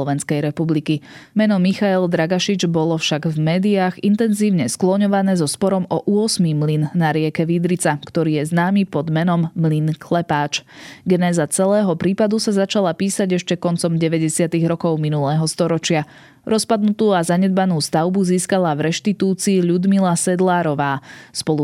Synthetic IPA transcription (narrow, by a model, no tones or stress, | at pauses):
ɔʋɛnskɛjɾɛpublikimɛnɔmixaɛld̪ɾaɡaʃid͡ʒbɔlɔfʃaɡvmɛːd̪iaːɣint̪ɛnziːʊɲɛsklɔɲɔʋanɛːzɔspɔɾɔmɔʔuɔsmimlinːaɾɪɛkɛʋid̪ɾit͡sakt̪ɔɾiːjɛznaːmipɔd̪mɛnɔmːlinkʰlɛpaːt͡ʃɡɛnɛːzat͡sɛlɛːɦɔpɾiːpad̪usazat͡ʃalapiːsaɟɛʃcɛkɔnt͡sɔmɟɛʋɛɟɛsɪat̪iɣɾɔkɔʊminulɛːɦɔst̪ɔɾɔt͡ʃɪa | ɾɔspad̪nut̪uːazaɲɛd̪̚banuːst̪aʊbuziːskalavɾɛʃt̪it̪uːt͡siːʎud̪milasɛd̪laːɾɔʋaːspɔlu